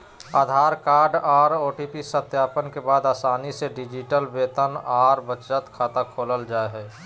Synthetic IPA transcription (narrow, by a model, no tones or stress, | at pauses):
aːd̪ʱaːɾkaːɾɖaːɾoːʈipisət̪jaːpənkebaːd̪aːsaːniseɖid͡ʒiʈəlbeːt̪ənaːɾbət͡ʃət̪kʰaːt̪akʰoːləld͡ʒaːeɦɛː